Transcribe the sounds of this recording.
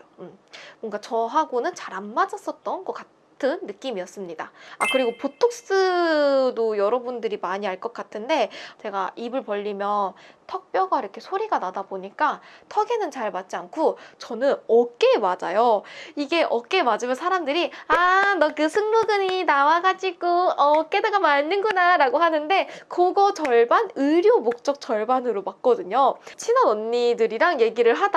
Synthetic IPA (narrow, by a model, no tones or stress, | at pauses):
oɯmmwʌŋɡat͡ɕʌɦaɡonɯnt͡ɕaɾamːad͡ʑʌs͈ʌt̚t͈ʌnɡʌk͈a | tʰɯnːɯk͈imijʌs͈ɯmɲidaa̰kɯɾiɡopotʰok̚s͈ɯdojʌɾʌbundɯɾimaɲiɦaɭk͈ʌk͈atʰɯnde̞t͡ɕe̞ɡaʔibɯɭpʌʎːimjʌntʰʌk̚p͈jʌɡaiɾʌkʰe̞sʰoɾiɡanadaboɲik͈atʰʌɡenɯnt͡ɕaɭmat̚t͡ɕ͈iankʰot͡ɕʌnɯnʌk͈e̞mad͡ʑajoiɡe̞ʔʌk͈e̞mad͡ʑimjʌnsʰaɾamdɯɾianʌkɯsʰɯŋmoɡɯɲinawaɡad͡ʑiɡoʌk͈e̞daɡamanːɯnɡunaɾaɡoɦanɯnde̞koɡʌt͡ɕʌɭbanɯɾjomok̚t͡ɕ͈ʌk̚t͡ɕ͈ʌɭbanɯɾomak̚k͈ʌdɯɲot͡ɕʰinʌnʌnːidɯɾiɾaŋje̞ɡiɾɯɭɦad̥a